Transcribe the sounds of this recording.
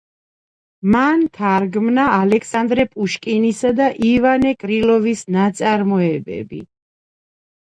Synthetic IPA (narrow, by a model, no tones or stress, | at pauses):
mant̪ʰaɾɡmnaːlɛkʰsand̪ɾɛpʼuʃkʼinisad̪aʔivanɛkʼɾilˠɔvisnat̪sʼaɾmɔɛbɛ̰bḭ